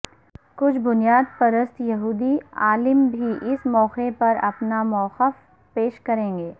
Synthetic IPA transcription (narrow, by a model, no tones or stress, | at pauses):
kʊt͡ʃʰbʊnijaːd̪̚pɐɾəst̪jɐɦuːd̪iaːlɪmbʱiʔɪsmɔːxepɐɾɐ̰pnamɔːqəf | peːʃkɐɾẽːŋ̆ɡeː